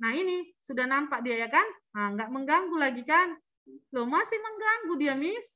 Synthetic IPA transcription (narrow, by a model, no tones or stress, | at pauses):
naɦinisudahnampaʔ̚diajakanaŋɡaʔməŋɡaŋɡulaɡikan | lomasɪhməŋɡaŋɡudiamɪs